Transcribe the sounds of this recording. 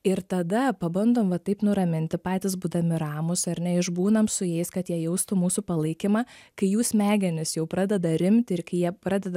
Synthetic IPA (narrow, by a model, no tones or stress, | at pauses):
ɪɾt̪ɐd̪ɐpɐbɐnd̪oːmʋɐt̪ɐɪpnʊɾɐmʲɪnʲt̪ʲɪpɑːt̪ʲɪsbuːd̪ɐmʲɪɾɑːmʊsɐɾʲnʲɛɪʒbuːnɐmsʊjɛɪskɐt̪jiɛjɛʊst̪uːmuːsuːpɐlˠɐɪkʲɪmɑːkɐɪjuːsmʲæːɡʲɛnʲɪsjɛʊpɾɑːd̪ʲɛd̪ɐɾʲɪmʲt̪ʲɪɾkɐɪjiɛpɾɑːd̪ʲɛd̪ɐ